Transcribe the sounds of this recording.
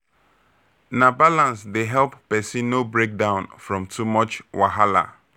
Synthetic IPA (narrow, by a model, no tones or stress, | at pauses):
nabalãnsdeɦɛlpːɛsĩnːobɹek̚dãʊ̃nfɹɔ̃mtʰumɔt͡ʃwa̰ɦala̰